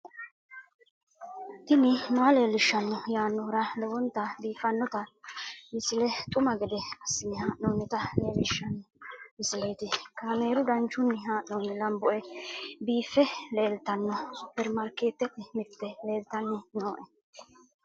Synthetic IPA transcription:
t̪ɪnɪmɐɐle̞ːlːɪʃːɐnːɔjaːnːɔɾɐlɛwɔnt̪ːɐbiːfːɐnːɔt̪ɐmɪsɪlɛt̪ʼʊmɐɡɛd̪ɛɐsːɪnɪɦaːʔnoːnːɪt̪ɐle̞ːlːɪʃːɐnːɔmɪsɪle̞ːt̪ɪkaːmeːɾʊd̪ɐnt͡ʃːʊnːɪɦaːʔnoːnːɪlɐmbɔʔɛbiːfːɛle̞ːlt̪ɐnːɔbɛɾmɐɾkeːt̪ːɛt̪ːɪmɪt̪ːɛle̞ːlt̪ɐnːɛnoːʔɛ

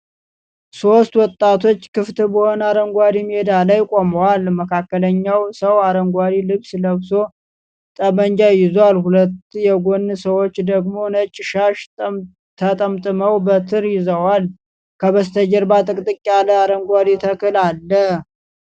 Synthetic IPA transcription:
so̞st̪wɔt̪ʼːat̪ʰo̞t͡ʃːkɨft̪ʰɨbəhonaɾəŋɡʷaɾimed̪alajkʼoməwalməkʰakːələɲːawsəwaɾəŋɡʷad̪ilɨβsləβso̞ | t̪ʼəbəɲd͡ʒajɪzwalhulət̪ːjɛɡo̞nːɨsəwot͡ʃːd̪əɡmo̞nət͡ʃʼːɪʃaʃ | t̪ʰət̪ʼəmt̪ʼɨməwbət̪ʰɨɾjɪzəwal | kʰəβəst̪ʰəd͡ʒɛɾbat̪ʼɨkʼt̪ʼɨkʼːaləaɾəŋɡʷad̪it̪ʰəkʰɨlalːə

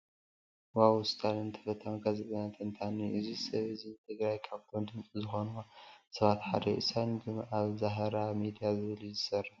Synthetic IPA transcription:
wawʊst̪ʰʼalɨnt̪ʰɐ̥fɐt̪ʰːamɡazɨt̪ʼnat̪ʰɨnt̪ʰanːiʔɨzisɐβɨzint̪ʰɨɡɾajkʰaβt̪ʰo̞md̪ɨnt͡sʼizɨxo̞nuasɐβat̪ħa̰d̪ɐḭsanɡɨmʔaβzaɦɐɾamid̪ijazɨβɨlzɨsɐrːɐħ

